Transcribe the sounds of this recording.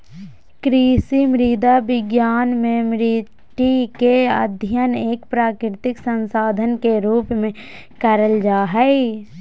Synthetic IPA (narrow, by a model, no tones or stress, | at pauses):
kɾisimɾid̪abɪɡjaːnmẽmɾi | ʈikeə̰d̪ʱjəneːkpɾaːkɾɪt̪ɪksə̃nsaːd̪ʱənkeɾuːpmẽ | kəɾəld͡ʒaːɦɛ